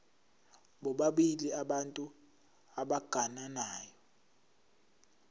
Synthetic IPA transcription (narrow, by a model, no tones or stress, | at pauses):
ɓɔɓaɓiliaɓantʼu | aɓaɡ̥ʱananaːjɔ